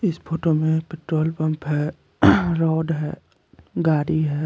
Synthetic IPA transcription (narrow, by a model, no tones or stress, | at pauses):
ɪspʰoːʈomẽpɪʈɾoːlpɐ̃mpɦɛ | ɾɔːɖɦɛ̰ | ɡaːɽiɦɛː